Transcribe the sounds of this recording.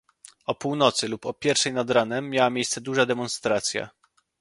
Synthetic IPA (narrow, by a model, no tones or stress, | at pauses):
ɔpuwnɔt̪sɘlupɔpʲjɛɾfʂɛjnad̪ɾanɛmːjawamʲjejst̪sɛd̪uʐad̪ɛmɔnst̪ɾat̪sʲja̰